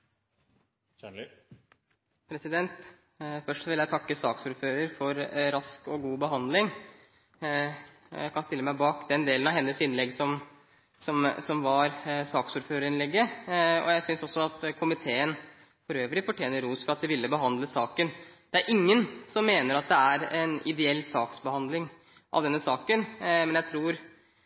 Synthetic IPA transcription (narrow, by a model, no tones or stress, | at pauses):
pʰɾɛsɪd̪ɛnt̪ | fœʂʈʋɪljæɪt̪ʰɑkːəsɑːksuːɾføːɾəɾfɔɾɾɑskɔɡuːbəɦɑnd̪lɪŋ | æ̰kʰɑnst̪ɪlːəmæɪbɑːkd̪ɛnd̪eːlənɑʋɦɛnːəsɪnlɛɡːsɔm | sɔmsɔmʋɑɾsɑːksuːɾføːɾəɾɪnlɛɡːəɔ̰jæɪsʏnsɔsɔɑt̪kʰʊmɪt̪ʰeːən | fɔɾøːʋɾɪfɔʈʰjeːnəɾuːsfɔɾɑt̪̚d̪ɛʋɪlːəbəɦɑnd̪ləsɑːkənd̪̥ɛæɾʔɪŋːənsɔmːeːnəɾɑt̪̚d̪ɛæɾɛnɪd̪ɛɛlːsɑːksbəhɑnd̪lɪŋ | ʔɑ̰ʋd̪ɛnːəsɑːkənmɛnjæɪt̪ʰɾuːɾ